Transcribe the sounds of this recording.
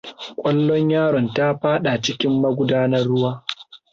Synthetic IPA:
kʷʼɐ˦lːɔ˦ɲjaː˦ɾɔ˨nta˦ɸaː˦ɗa˨t͡ʃɪ˦kʲɪ˦mːɐ˦ɡʷʊ˦daː˦nɐ˦rːʊ˦waː˦

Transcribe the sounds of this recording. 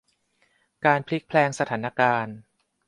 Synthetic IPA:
kaː˧npʰli˦˥k̚pʰlɛː˧ŋsa˧t̪ʰaː˩˦na˧kaː˧n

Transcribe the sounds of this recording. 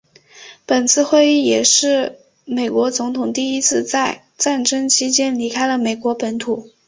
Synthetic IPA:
pə˨˩nt͡sʰɹ̩˥˧xwe˥˧ɪi˥˩jɛ˨˩ʂɻ̩˥˩ | me˨˩ɪkwɔ˧˥t͡sʊ˧˥ŋt̪ʰʊ˨˩ŋt̪i˥˩i˥t͡sʰɹ̩˥˧t͡sa˥˧ɪ | t͡sa˥˩nʈ͡ʂə˥ŋt͡ɕʰi˧˥t͡ɕjɛ˥nli˧˥kʰa˥ɪlə˨me˨˩ɪkwɔ˧˥pə˧˥nt̪ʰu˨˩˦

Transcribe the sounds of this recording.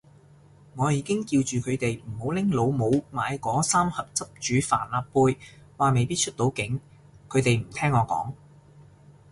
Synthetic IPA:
ŋɔː˨˧jiː˨˧kɪ˥ŋkiː˧wt͡ʃyː˨kʰɵ˨˧ɥt̪e˨jm̩˨˩ho˨˥wlɪ˥ŋlo˨˧wmo˨˧wmaː˨˧jkɔː˨˥saː˥mhɐ˨p̚t͡sɐ˥p̚t͡ʃyː˨˧fa̰ː˨˩nlaː˨ppːuː˧j | waː˨me˨jpiː˥t̚t͡ʃʰɵ˥t̚t̪o˨˥wkɪ˨˥ŋ | kʰɵ˨˧ɥt̪e˨jm̩˨˩t̪ʰɛː˥ŋːɔː˨˧kɔ̰ː˨˥ŋ

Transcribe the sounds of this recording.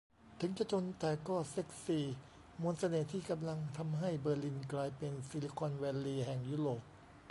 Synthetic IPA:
t̪ʰɯ˩˦ŋt͡ɕa˧˩t͡ɕʰo˧nt̪ɛː˨˩kɔː˥˩se˦˥˩k̚siː˨˩ | mu˧nsa˧neː˨˩t̪ʰiː˥˩ka˧mla˧ŋt̪ʰa˧mɦa˥˩jbɤː˧li˧˩nklaː˧jpe˧nsi˧li˧˩kʰɔ˧nwɛː˧lːiː˧ɦɛ˨˩ŋjuː˧˥˩ɾoː˨˩p̚

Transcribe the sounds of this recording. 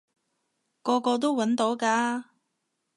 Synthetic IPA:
kɔː˧kɔː˧t̪̬o˥wwɐ˨˥nt̪o˨˥wkaː˧

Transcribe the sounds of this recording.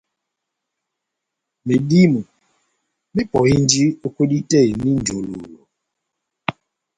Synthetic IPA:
me˨ɗi˦mu˨ | mi˦pɔ˨i˦n˦d͡ʒi˦o˦ko˦di˦tɛ˦˨ni˦n˨d͡ʒo˨lo˨lo˨

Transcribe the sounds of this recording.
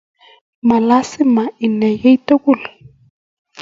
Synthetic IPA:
ma˨la˦sɪ˦ma˨i˨nɛ˨jɛ˦i˦to˦ku˦˨lɔ˨

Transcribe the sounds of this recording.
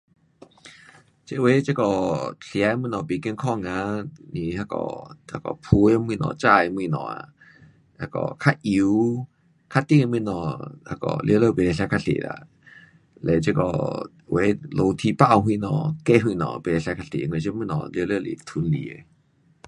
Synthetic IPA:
t͡ɕe˦ʔwe˨˦t͡ɕe˦kɔ˧ɬja˧˦˧mwĩ˧˨nɔ̃˨be˨ki˧nkʰɔ˧˨ŋa˧˦ni˧ha˧kɔ̰˧ha˧kɔ̰˧˨pʰu˧e˧mĩ˧nɔ̰̃˧˨t͡ɕa˧˨e˧mwĩ˧˨nɔ̰̃˨a̰˧˨ | a˧kɔ̰˧˨kʰa˧ʔi˧ | kʰa˧t̪i˧˨ŋ˧mĩ˧˨nɔ̃˨ha˧kɔ̰˧˨lʔjə˧lə˦˧˨be˨lɛ˧˩ɬʲja˧kʰa˧ɬḛ˨la̰˧˨ | lɛ˧˨t͡ɕe˦kɔ̰˧ | we˨˧˦lo˧t̪ʰi˧pa˧˨wɦwĩ˧˨nɔ̃˧˨kɛ˧˨ɦwĩ˧˨nɔ̰̃˨be˨lɛ˧ɬkʰa˧ɬḛ˨ŋ˧ẽ˧˨t͡ɕe˧˦mĩ˧nɔ̃˨ljə˧lə˦˧˨lḭ˨t̪ʰu˧˨nli˨e˧˨

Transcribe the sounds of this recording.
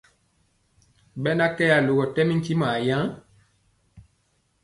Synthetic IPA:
bɛ˦na˦kɛ˦ja˨lo˨ɡɔ˨tɛ˦mi˦ŋ̩˦ki˦ma˨jã˦

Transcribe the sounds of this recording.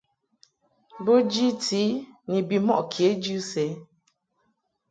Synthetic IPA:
bo˦d͡ʒi˦ti˦ni˨bi˨mɔ˦ʔkʰje˨˦d͡ʒu˦sɛ˦

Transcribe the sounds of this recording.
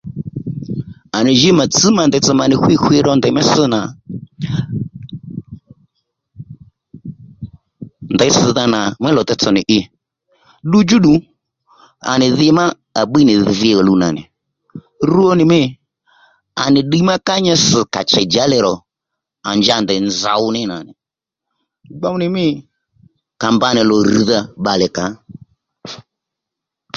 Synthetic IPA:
a˨nɪ˨ʒi˦ma˨t͡sɨ˦ma˨ndɛ˨t͡sɨ˧˨ma˨nɪ˨xwi˦xwɪ˧ɾɔ˧ndɛ˨mɛ˦sɪ˦na˨ | ndɛ˨˦ɪ˦sɪ˧ða˧na˨mɛ˦lɔ˨t̪ɛ˧t͡sɔ˨nɪ˨ʔɪ˧ | ɗu˦d͡ʒu˦ɗu˨ | a̰˨nɪ˨ðɪ˧˦ma˦ | a˨ɓi˦nɪ˨ðɪ˧ɔ˨lu˧na˨nɪ̰˨ | rɾu˦ɔ˦nɪ˨mɪ˦˨ | a̰˨nɪ˨ɗi˦ma˦ka˦ɲɛ˧s̩˨ka̰˨t͡ʃɛ˨d͡ʒa˨˦lɛ˨ɾɔ˨ | a˨nd͡ʒa˨ndɛ˨nza̰˨ʊ˧nɪ˦na˨nɪ˨ | ɡ͡ba˦ʊ˦nɪ˨mɪ˦˨ | ka˨mba˧˨nɪ˨lɔ˨ri˨ða˧ɓa˨lɛ˨ka˨˦

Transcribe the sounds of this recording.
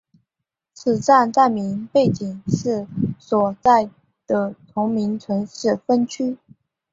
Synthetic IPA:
t͡sʰɹ̩˨˩t͡sa˥˧nt͡sa˥˩ɪmi˧˥npe˥˩ɪt͡ɕi˨˩ŋʂɻ̩˥˩swɔ˨˩t͡sa˥˩ɪ | d̪̥ə˩t̪ʰʊ˧˥ŋmi˧˥ŋt͡sʰwə˧˥nʂɻ̩˥˩fə˥nt͡ɕʰy˥

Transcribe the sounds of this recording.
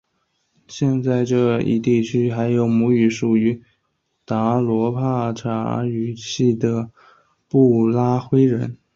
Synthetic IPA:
ɕjɛ˥˧nt͡sa˥˧ɪʈ͡ʂɤ˥˧ḭ˥˩t̪i˥˩t͡ɕʰy˥xa˧˥ɪjo˧˥ʊmu˧˥y˨˩ʂu˨˩y˧˥ | t̪a˧˥lwɔ˧˥pʰa˥˩ʈ͡ʂʰa̰˧˥y˨˩t͡ɕʰi˥˩d̪ə˩ | pu˥˩la˥xwe˥ɪɻə˧˥n

